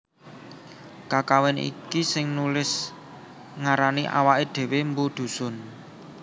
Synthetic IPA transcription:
kakawɛnḭkisɪŋnulɪs | ŋaɾaniʔa̰waʔed̪̥e̤wembud̪̥ṳsʊ̤n

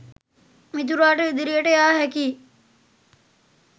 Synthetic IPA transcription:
mit̪̬uɾaːʈəid̪iɾijəʈəjaːɦɛkiː

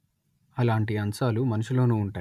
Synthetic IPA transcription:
ɐlaːɳʈiɐnsaːlumɐnuʂulo̞ːnuːuɳʈaː

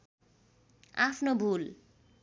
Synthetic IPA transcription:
apʰnobʱul

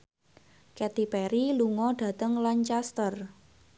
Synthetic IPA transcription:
kɛt̪ipɛɾiluŋɔɖ̥ä̤t̪əŋlant͡ʃast̪ər

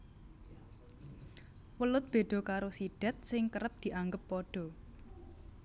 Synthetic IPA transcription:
wəlʊt̪̚b̥e̤ɖ̪̥ɔ̤kaɾosiɖ̥a̤t̪̚sɪŋkəɾəp̚d̪̥i̤ʔaŋɡəpːɔɖ̥ɔ̤

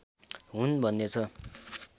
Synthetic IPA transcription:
ɦunbʱʌnːet͡sʰʌ

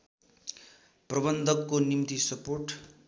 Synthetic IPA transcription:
prʌbʌnd̪ʱʌkːonimt̪isʌporʈ

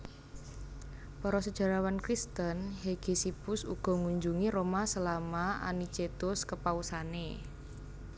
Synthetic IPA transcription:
pɔɾɔsəd̥ʒ̥a̤ɾawankɾist̪ənɦeɡ̥e̤sipʊsṵɡ̥ɔ̤ŋuɲd͡ʒuŋiɾomasəlamaʔa̰nit͡ʃet̪ʊskəpausane

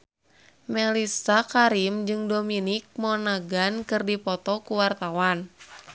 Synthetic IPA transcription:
mɛlisakaɾimd͡ʒɨŋdominik̚mɔnaɡankɨrdipɔt̪ɔkuwart̪awan

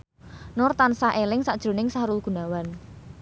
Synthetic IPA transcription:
nɔrt̪ansaʔelɪŋsaʔd̥ʒ̥ɾo̤nɪŋsaɾʊlɡ̥ṳnawan

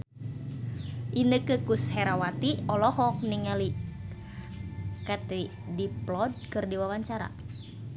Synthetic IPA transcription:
ʔinəkəkushɛɾawat̪iɔlɔɦɔk̚niŋali | kat̪i | diplɔd̚kɨrdiwawaɲt͡ʃaɾa̰

